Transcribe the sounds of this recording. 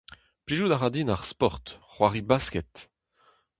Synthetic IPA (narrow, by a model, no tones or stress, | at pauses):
pliʒud̪aʁad̪inaʁspɔʁt̪χwaʁibaskɛt̪